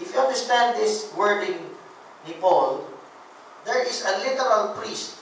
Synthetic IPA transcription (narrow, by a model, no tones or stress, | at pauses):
ʔɪfjuãnd̪əɹst̪ãnd̪̚d̪ɪswɛɹd̪ɪ̃ŋ | nɪpol | d̪ɛɹɪsɐlɪt̪əɹalpɹist̪̚